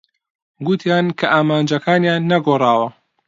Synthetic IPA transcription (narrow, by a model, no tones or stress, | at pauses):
ɡut̪ʰjaːnkʰɐʔaːmaːnd͡ʒɐkʰaːnjaːnːɐɡorˤɑːwɐ